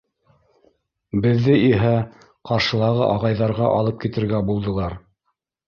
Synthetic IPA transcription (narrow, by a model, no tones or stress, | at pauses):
bɘ̆ðːɘʔiɦæ | qɑɾʃɤ̆lˠɑʁɤʔɑʁɑjðɑɾʁɑʔɑlˠɤp̚kit̪ɘ̆ɾɡæbulˠd̪ɤ̆lˠɑɾ